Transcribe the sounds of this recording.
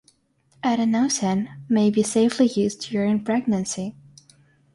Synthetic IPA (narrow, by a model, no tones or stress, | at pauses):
ʔæɾɨ̃naʊsɨ̃nmeɪbiseɪflijʉz̥tʰɨjə˞õɪ̃npʰɹ̥ɛɡ̚nɨ̃nsi